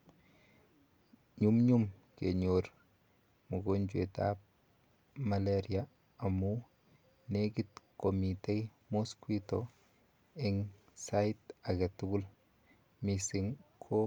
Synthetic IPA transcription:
ɲumɲumkḛɲoɾ | muɡond͡ʒweta̰p | maleɾia | amu | neɡitkomite | moskwito | iŋ | saitaɡetuɡul | misiŋkʰo

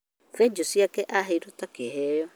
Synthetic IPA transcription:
fɛɲd͡ʑosiakɛʔaɦɛiɾɔtakeɦɛjɔ

